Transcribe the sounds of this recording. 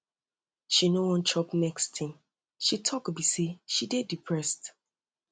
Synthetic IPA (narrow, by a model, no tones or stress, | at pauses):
ʃinowɔ̃ntʰɹɔpnɛkstʰĩm | ʃitʰɔkbiseʃidedipʰɹɛst